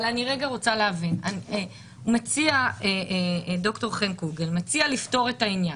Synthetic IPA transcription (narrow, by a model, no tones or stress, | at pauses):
laniʁeɡaʁo̞t͡saleavinane | umat͡siaeedo̞kto̞ʁχenkuɡelmat͡sialifto̞ʁetainja